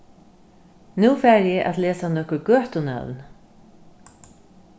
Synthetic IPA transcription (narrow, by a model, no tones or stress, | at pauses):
nuːfɛːɾjɛʔa̰t̪lɛːsanɔhkʊɾɡœːht̪ʊnœ̰ðn